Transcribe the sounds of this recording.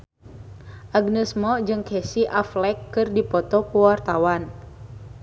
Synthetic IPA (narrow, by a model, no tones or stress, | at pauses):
ʔaɡnəsmɔd͡ʒɨŋkɛsiʔaflɛkːɨrdipɔt̪ɔkuwart̪awan